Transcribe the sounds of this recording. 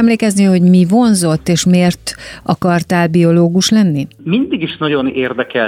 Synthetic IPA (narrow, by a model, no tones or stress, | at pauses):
ɛmleːkɛzniho̞ɟmivo̞nzo̞t̪ːeːʃmeːrt̪ʔɒkɒrt̪ɛːlbio̞loːɡuʃlɛnːi | mind̪iɡiʃnɒɟo̞neːrd̪ɛkɛ